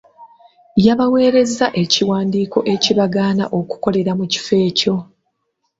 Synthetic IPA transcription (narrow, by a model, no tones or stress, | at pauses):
jaβawe̞ːɾe̞zaʔe̞ciwaːndiːko̞ʔe̞ciβaɡaːna̰ʔo̞ku̥ko̞le̞ɾamuci̥fe̞ːco̞